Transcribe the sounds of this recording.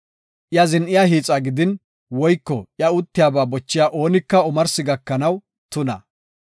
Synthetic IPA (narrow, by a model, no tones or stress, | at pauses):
ʔjɐzɪnʔɪjaːɦiːt͡sʼaːɡɪd̪ɪn | wɔjkːɔʔjɐʊt̪ːɪjaːbaːbɔt͡ʃːɪjaːʔo̞ːnɪkːɐʊmɐɾsɪɡɐkːɐnɐw | t̪ʊnɐ